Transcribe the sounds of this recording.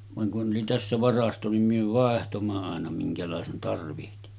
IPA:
ʋɑŋ kun ʔoli tæsːæ ʋɑrɑsto nim myø ʋɑˑehtomːɑ ɑˑenɑ miŋkælɑˑesen tɑrʋihti

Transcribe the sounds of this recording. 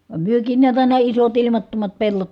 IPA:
ʋɑm myøkiːn niæt ɑˑinɑ isot ilimɑtːomɑt pelːot

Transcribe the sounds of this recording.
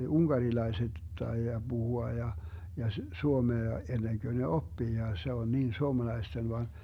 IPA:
uŋɡ̊ɑrilɑeset tɑijɑ b̥uhuɑ jɑ jɑ suomeɑ enːeŋkø ne opːiː jɑ se on niːn suomɑlɑisten ʋɑn

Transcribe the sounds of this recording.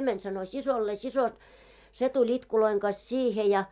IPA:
mænʲ sɑno sisolːeː siso se tulʲ itkuloiŋ ɡ̊ɑs siːhe jɑ

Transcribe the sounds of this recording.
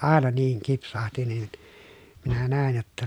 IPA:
ɑˑenɑ niːŋ kipsɑhti nin minæ næˑen jotːɑ

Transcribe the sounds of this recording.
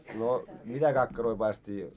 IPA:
no mitæ kɑkːɑroi pɑist̆ĕtˑiː

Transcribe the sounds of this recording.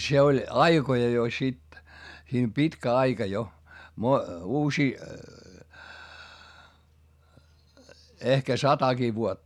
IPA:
se olʲ ɑikojɑ jo sit siːm pitkæ ɑikɑ jo mo uːsiː ehkæ sɑtɑki ʋuotːɑ

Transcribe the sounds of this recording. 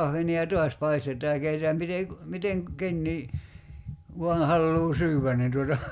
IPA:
ɑhʋeniɑ tuɑs pɑistetˑɑː jɑ keitetæːm mite ku miteŋ kenːiː ʋuɑn̞ hɑlːuː syːwʋæn nin tuotɑ

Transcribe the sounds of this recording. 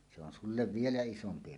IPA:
se on sulːeʋ ʋielæ isompi

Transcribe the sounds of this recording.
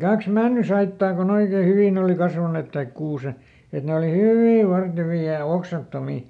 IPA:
kɑks mænːysɑitːɑː kon oikeː hyʋiˑn oˑli kɑsʋɑnet tɑik kuːse et ne oli hyʋiˑ ʋɑrteʋiː jɑ oksɑtːomi

